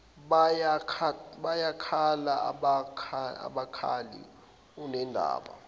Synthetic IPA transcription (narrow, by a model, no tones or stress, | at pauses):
ɓajakʰaɓajakʰalaaɓakʰaa̰ɓakʰa̰lḭ | unɛndʱa̰ːɓa̰